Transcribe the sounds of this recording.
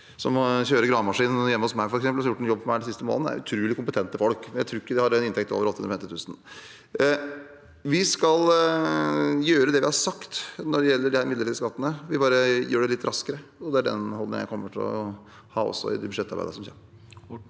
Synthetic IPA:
sɔmçøːɾəɡɾɑːmɑʂiːnjɛmːəɔsmæɪfɔɾɛksɛmpəlsɑjʊʈːɛnjɔbːfɔmæɪɛnsɪst̪əmo̰ːnəæ̰ɾʉ̰t̪ʰɾʉːlɪkʊmpət̪ʰɛnt̪əfɔlkmɛnjæɪt̪ɾuːɪkːəd̪ɪhɑɾɛnɪnt̪ʰɛkt̪o̰ːʋɾɔt̪ːhnɾfɛmt̪ɪt̪ʉːsən | ʋɪskɑl | jøːɾəd̪ɛʋɪhɑsɑkt̪nɔɖɛjɛlːəɖɪhæːɾmɪd̪əɾʈɪlskɑt̪ːənəʋɪbɑːɾəjøːɖɛlɪt̪ːɾʔɑskəɾəɔd̪ɛæɖɛ̰nhɔld̪ɪ̰ŋjæ̰ɪkʰɔmːəʈʰɪlɔ̰ | hɑ̰ːɔ̰sːɔ̰ɪ̰d̪ɛbʉʂɛt̪ːɑɾæ̰ɪd̪əɾʂsɔmçɛ̰n

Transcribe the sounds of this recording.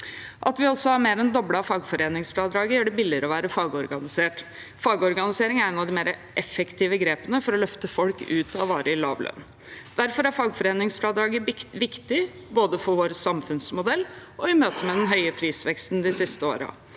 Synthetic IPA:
ʔɑt̪ʋɪɔsːɔhɑɾmeːɾɛnd̪ɔbɽɑfɑːɡfɔɾeːnɪŋsflɑd̪ɾɑːɡəjøːɖɛbɪlːɪəɾəɔʋæːɾəfɑːɡɔɾɡɑnɪseːʈ | fɑːɡɔɾɡɑnɪseːɾɪŋæɾɛnɑʋd̪ɪmeːɾəʔɛfːɛkt̪ʰiːʋəɡɾeːpənəfɔɾɔlœft̪əfɔlkʉːt̪ɑʋɑːɾʔəɪlɑ̰ːʋlœ̰n | d̪̥æɾfɔɾæɾfɑːɡfɔɾeːnɪŋsfɾɑd̪ɾɑːɡəʋɪkt̪ɪ | boːd̪əfɔɾʋoːɾsɑmfʉnsmʊd̪ɛlːɔʋɪmøːt̪əmɛd̪ɛnɦœʏəpʰɾiːsʋɛkst̪n̩d̪ɪsɪst̪əo̰ːɾɑ̰

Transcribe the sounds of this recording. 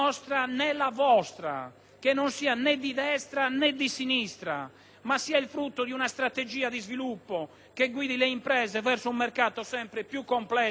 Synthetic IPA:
ɔst̪ɾanɛlavɔst̪ɾa̰ | k̟enːonsiːanɛd̪id̪ɛst̪ɾanɛd̪ːisinist̪ɾa̰ | masːiːailfɾut̪ːod̪iunast̪ɾat̪ed͡ʒiːad̪izvilupːɔ | keɡwiːd̪ileimpɾɛːzɛvɛrsoumːɛrkaːt̪ɔsɛmpɾepjukːɔmplɛ

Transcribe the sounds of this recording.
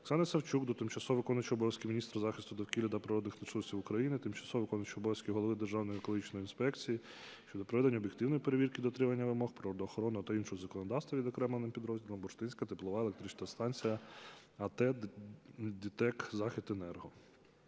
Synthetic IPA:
ksɑnɪsɐwt͡ʃuɡd̪ɔt̪ɪmt͡ʃɐsɔʋɪkɔnɐt͡ʃiɔbɔʋjɐsʲkʲiminʲist̪ɾɐzɑxʲɪst̪ʊd̪ɐwkʲilʲɐd̪ɐpɾɪɾɔd̪nɪxnɐsɔstʲiwʊkɾɐjinɪt̪ɪmt͡ʃɐ̥sɔɔʋɪkɔnɪt͡ʃʲiɔbɔjɐsʲkʲiɦɔlˠɔʋɪd̪erʒɑwnɔjikɔlˠɔɦit͡ʃnɔjinspɛkt͡sʲiji | ʃt͡ʃɔd̪ɔpɾɔʋɛd̪enʲːɐɔbjekt̪ɪwnɔjipeɾeʋʲirkid̪ɔt̪ɾɪmɐnʲːɐʋɪmɔxpɾɔɾɔd̪ɔːxɔɾɔnɪɐt̪ɐinʃɔɔzɐkɔnɔd̪ɑwst̪ʋɐʋʲid̪ɔkɾɛmlnɪmpʲid̪ɾɔzʲdʲilˠɔmbɔʃt̪ɪnʲsʲkɐt̪ɪplˠɔʋɑelek̚t̪ɾit͡ʃnɐst̪ɑnʲt͡sʲijɐ | ɐt̪ɛ | d̪ʲit̪ɛkzɑxʲɪt̪enɛrɦɔ

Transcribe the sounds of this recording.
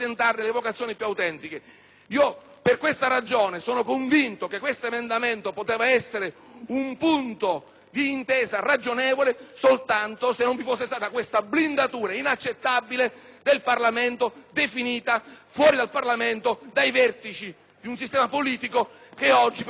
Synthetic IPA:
sent̪arnɪlevokat̪sːjoːnipjuawt̪ɛnt̪ike | iːo | perkwest̪aɾad͡ʒoːnesoːnokoɱvint̪okekwest̪oemend̪ament̪opot̪ɛːvaɛsːeɾe | umpunt̪o | d̪iːnt̪ɛːzarad͡ʒonɛːvolesolt̪ant̪osenːõɱvifosːest̪aːt̪akwest̪ablind̪at̪uːɾainat͡ʃːet̪ːabːiled̪elparlament̪od̪efiniːt̪afwɔːɾid̪alparlament̪od̪ajvɛrt̪it͡ʃi | d̪iunsist̪ɛːmapoliːt̪ikokeɔd͡ʒːi

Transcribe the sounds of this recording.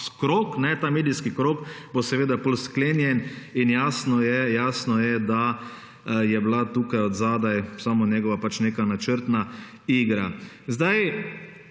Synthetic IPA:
kɾoːknɛt̪aːmeːd̪iskikɾoːkbosɛʋeːd̪apolskleːnjɛninjaːsnɔjɛjaːsnɔjɛd̪a | jɛblat̪uːkajɔd̪zaːd̪ajsaːmonjɛɡɔʋapat͡ʃneːkanat͡ʃəɾt̪na | iɡɾa | zd̪aj

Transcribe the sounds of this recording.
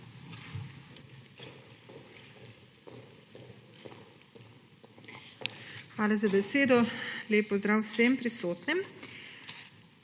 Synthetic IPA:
xʋaːlazabɛseːd̪ɔleːpːɔzd̪ɾaːwsempɾisoːt̪nɛm

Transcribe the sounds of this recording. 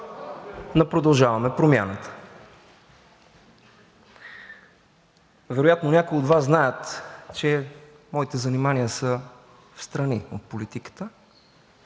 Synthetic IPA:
nopɾod̪ɐlˠʒavɐmɛpɾomjanət̪ə̥ | vɛɾojat̪nonʲakoiod̪vasznajət̪t͡ʃɛ | mɔit̪ɛzɐnimanijəsə | fst̪ɾɐnio̰t̪̚polit̪ikə̥t̪ə

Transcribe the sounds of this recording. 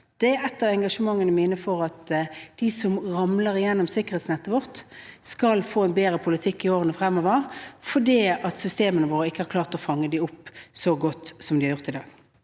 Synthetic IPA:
d̪̥ɛɛt̪ːəʋɛŋɡɑʂəmɑŋːənəmɪːnəfɔɾɑt̪d̪̥isɔmʁɑmləɾɪjɛnːɔmsɪkːəʁheːt̪snɛt̪ːəʋɔʁt̪skɑlfoːɛnbeːɾəpʰʊlɪt̪ʰɪkːɪoːɾənəfɾɛmːɔʋəɾfɔɖiːɑt̪sʏst̪eːmənəʋoːɾəɪkːəhɑɾkʰlɑːʁt̪ɔfɑŋːəd̪ɪʊpːsɔɡɔt̪ːsɔmd̪ɪhɑɾjʊʁt̪ɪd̪ɑːɡ̥

